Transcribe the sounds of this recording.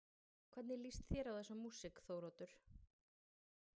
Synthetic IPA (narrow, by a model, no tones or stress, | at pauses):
kʰv̥ɛɾt̪nɪlist̪θjɛɾawðɛsːamːuːsɪkθoːwɾot̪ʏɾ̥